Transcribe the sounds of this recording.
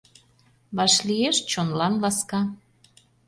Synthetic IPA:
βɑʃlieʃt͡ɕonlɑnlɑskɑ

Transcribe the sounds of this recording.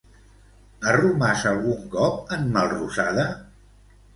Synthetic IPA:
ərumasəlˠɣuŋkɔp̚əmːəlˠrusaðə

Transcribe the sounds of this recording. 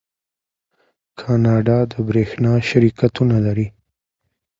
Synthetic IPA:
kʰɑnɑɖɑd̪əbɾexnɑʃaɾikat̪unalaɾi

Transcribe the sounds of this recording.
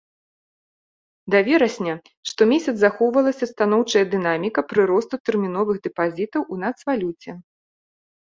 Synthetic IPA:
d̪avʲɛɾɐsʲnʲɐ | ʂt̪ɔmʲesʲɐt̪zaxɔwvɐlˠɐsʲɐst̪anɔwt͡ʂɐjɐd̪ɨn̪amʲikɐpɾɨɾɔst̪ut̪ɛrmʲin̪ɔvɨɣd̪ɛpazʲit̪ɐwunat̪svalʲut͡sʲɛ

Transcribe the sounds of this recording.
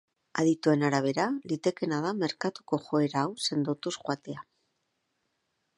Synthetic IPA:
a̰ðit̪ue̞naɾaβ̞e̞ɾalit̪e̞ke̞nað̞ame̞ɾkat̪u̥ko̞xo̞e̞ɾaːwse̞nd̪ot̪usxwat̪e̞a

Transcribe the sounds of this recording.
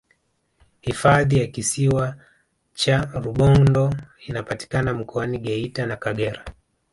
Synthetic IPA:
hifaðijakisiwa | t͡ʃaɾuɓɔndɔinapati̥kanam̩kɔaniɠɛitanakaɠɛɾa

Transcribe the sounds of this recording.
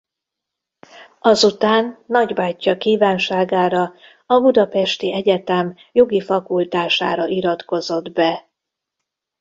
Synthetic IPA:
ɒzut̪aːnːɒɟbaːcːɒkiːvaːnʃaːɡaːɾɒ | ɒbud̪ɒpɛʃt̪iɛɟɛt̪ɛm | jo̞ɡifɒkult̪aːʃa̰ːɾɒʔiɾɒt̪ko̞zo̞d̪bɛ

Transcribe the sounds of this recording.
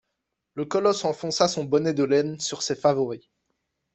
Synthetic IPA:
ləkɔlɔsɑ̃fɔ̃sasɔ̃bɔnɛd̪əlɛnsyʁsefavɔʁi

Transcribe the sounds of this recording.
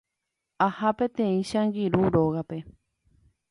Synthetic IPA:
ahapẽ̞t̪ẽ̞ĩʃãŋɡiɾuɾoɣape̞

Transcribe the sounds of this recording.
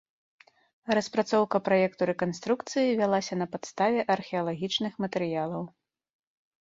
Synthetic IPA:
rɐspɾat̪sɔwkɐpɾajɛkt̪uɾɛkanst̪ɾukt̪sɨjivʲalˠasʲɐnɐpat̪st̪avʲɛʔɐrxʲɛɐlˠaɣʲit͡ʂnɨxmɐt̪ɛɾɨjalˠɐw

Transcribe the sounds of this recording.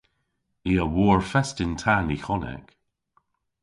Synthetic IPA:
iəwɔːɹfɛstɪntʰanixɔnɛ̰k

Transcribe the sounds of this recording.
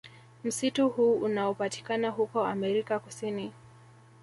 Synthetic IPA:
m̩situhuːʔunaɔpati̥kanaɦukɔamɛɾikakusini

